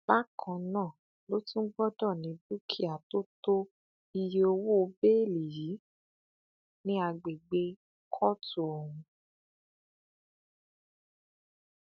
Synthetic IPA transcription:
b̥a˦kʰã˧nãː˦˨ | lo˦tũ˦ɡ͡bɔ˦dɔ˦˨nĩ˨˦bu˦kʰi˦˨a˨to˦to˦ | i˧je˧o˧wo˦o˧be˦˨li˨ji˨˦ | nĩ˦a˧ɡ͡be˨ɡ͡be˧ | kʰɔ˦tu˦˨o˨wũ˧

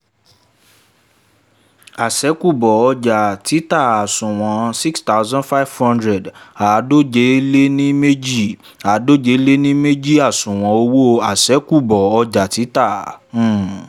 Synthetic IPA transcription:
a˨sɛ˨˦ku˦˨bɔ˨ɔ˧d͡ʒa˨ti˨˦ta˦˨a˨sũ˨w̃ɔ̃˨si˦ksta˦ʊ˦zã˦nfa˦vhɔ̃˦ndɾɛ˨da˨˦do˦d͡ʒe˨˦le˦nĩ˦me˦d͡ʒi˦˨ | a˨˦do˦d͡ʒe˨˦le˦nĩ˦me˦d͡ʒi˦˨a˦˨sũ˨w̃ɔ̃˨˦o˧wo˦a˨sɛ˨˦ku˦˨bɔ˨ɔ˧d͡ʒa˨ti˨˦tã˦˨˦

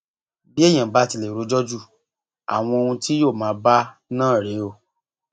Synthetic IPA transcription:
bi˦e˦˨j̃ã˨ba˨˦ti˧˨le˨ɾo˨˦d͡ʒɔ˦d͡ʒu˦˨ | a̰˨w̃ɔ̃˧o˧hũ˧tʰi˦joː˦˨mãː˨˦ba˦ | nãː˦˨ɾe˨˦o˦˨

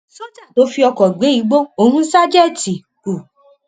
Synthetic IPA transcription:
to˨˦fi˧ɔ˧kɔ˨ɡ͡be˨˦i˨˦ɡ͡bo˦o˧hũ˦sa˦d͡ʒɛ˦˨ti˨ | ku˨

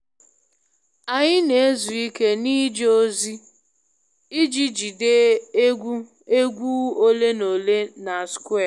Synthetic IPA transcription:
a˨ɲɪ˦ne˨e˦zu˨i˦ke˦niː˦d͡ʒo˦zi˦ | i˦d͡ʒi˦d͡ʒi˨de˦ɡʷu˦ | e˦ɡʷu˦o˦le˦no˨le˦na˨skʷe˦˨

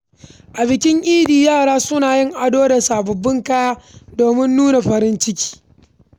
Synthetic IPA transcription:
ʔa˨bɪ˨kʲɪ˦ŋʔʲiː˦diː˨jaː˦˨ɽaː˦sʊ˦naː˨jɪ˦˨ŋʔa˨doː˦da˨saː˨bɐ˨bːɪ˦ŋkaː˦jaː˦doː˨mɪ˦nːuː˦na˨ɸɐ˨ɾɪ˦nt͡ʃɪ˦kʲi̥ː˦

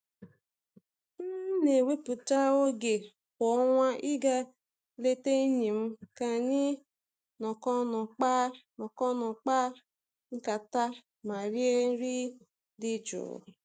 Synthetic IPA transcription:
n̩˦ne˨we˦pʊ˨ta˦o˦ɡe˨ | kɔ˨˦ŋʷa˦ʔi˦ɡa˦ | le˦te˦ɲi˨m̩˦ka˨ɲi˦ | nɔ˨kɔ˦nɔ˨k͡pa˦nɔ˨kɔ˦nɔ˨k͡pa˦ | ŋ̩˦ka˨ta˦ | ma˨ɾi˦e˦ɾi˦ | di˦d͡ʒʊ̰ː˨

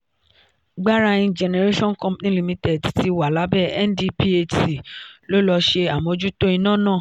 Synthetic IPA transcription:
ɡ͡ba˦ɾa˧ĩ˧d͡ʒɛ˨nɛ˨ɾe˦ʃɔ̃˦n˨kɔ̃˧˦pnĩ˦li˨mĩ˧tɛ˨tti˧wa˨la˨˦bɛ˦˨ɛ̰˦ndi˧pi˦e˧˨ti˨lo˦lɔ˧ʃe˧a˨mõ˨˧d͡ʒu˦to˦i˧nã˦˨nãː˦˨

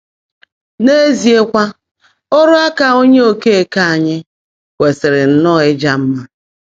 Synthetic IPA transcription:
ne˦e˦zi˨e˦kʷa˦ | o˦ɾʊ˦a˦ka˨o˦ɲe˦o˦˨ke˦e˨ka˦a˨ɲɪ˦ | kʷe˨sɪ˨ɾɪ˨n̩˦nɔ˦˨ɪ˦d͡ʒa˦m̩˦ma˦

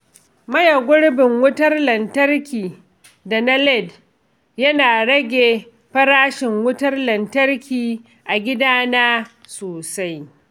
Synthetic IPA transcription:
mɐ˦jɐ˨ɡʷʊ˦ɽbɪ˨ŋwʊ˦tɐ˦rlɐ˨ntɐ˦rkʲiː˨ | da˨na˦lɛ˦˨d | jɐ˦naː˨ɽɐ˦ɡʲeː˨ | ɸɐ˦ɾaː˦ʃɪ˨ŋwʊ˦tɐ˦rlɐ˨ntɐ˦rkʲʰiː˨ | ʔa˨ɡʲɪ˦daː˦naː˦ | soː˨sa˦j

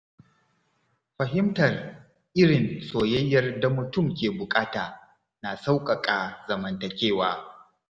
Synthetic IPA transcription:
ɸɐ˨ɦɪ˦mtɐ˨r | ʔɪ˦ɽɪ˨nsoː˨jɐ˦jːɐ˦rda˨mʊ˨tʊ˦˨mkʲeː˨bʊ˨kʼaː˦taː˨ | naː˨sa˦wkʼɐ˨kʼaː˨zɐ˨mɐ˨ntɐ˨kʲeː˦waː˦

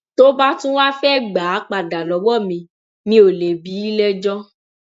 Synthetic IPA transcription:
to˦ba˦tũ˦wa˦fɛ˦˨ɡ͡ba˨˦k͡pa˨da˨lɔ˨˦ɡ͡bɔ˦˨mĩ˨ | nĩ˦o˨le˨bi˨˦i˦lɛ˦d͡ʒɔ˦

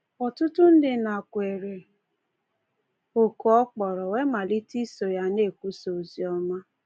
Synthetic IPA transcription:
ɔ˨tʊ˦tʊ˦n̩˦dɪ˦na˨kʷe˨ɾe˨ | o˨kɔ˦ɔ˦k͡pɔ˨ɾɔ˨we˦ma˨li˦ti˦so˨ja˨˦ne˦˨kʷu˦so˨zi˨˦ɔ˦ma˦

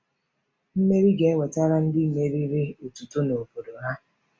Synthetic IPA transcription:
m̩˦me˦ɾi˦ɡe˨e˦we˨ta˦ɾa˦n̩˦dɪ˦˨me˨ɾi˦ɾe˦o˨tu˨to˦no˨bo˨do˨ɦa˦

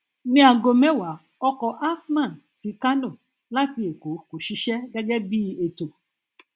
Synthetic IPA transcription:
nĩ˦a˧˨ɡo˧mɛ̃˨˦wa˨˦ | ɔ˧kɔ˧ʔa˦smã˦˨nsi˨˦ka˦no˦˨ | la˦ti˧e˨ko˨˦ko˨ʃi˧˦ʃɛ˦ɡɛ˦ɡɛ˦bi˦e˨to˨

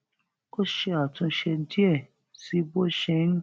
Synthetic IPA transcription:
ko˦ʃɛ˧a˨tũ˧ʃɛ˧di˦ɛ˦˨ | si˦bo˦ʃɛ˧˦n̩˦

